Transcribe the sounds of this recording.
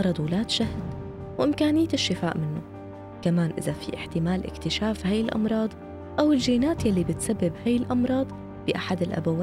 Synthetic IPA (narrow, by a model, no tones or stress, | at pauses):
ɑɾˤɑd̪ˤwɪlaːt̪ʃahd̪ | wʔɪmkaːnɪjːaɪʃːɪfaːʔmɪnːʊ | kamaːnʔɪ̰zafḭʔɪħt̪ɪmaːlʔɪ̰kt̪ɪʃaːfhaːjɪlʔɑ̰mɾˤɑːd̪ˤ | ʔawɪlʒiːnaːt̪jalːibɪt̪sabːɪbhaːjːɪlʔɑmɾˤɑːd̪ˤ | bɪʔaħad̪ɪlʔa̰bawaː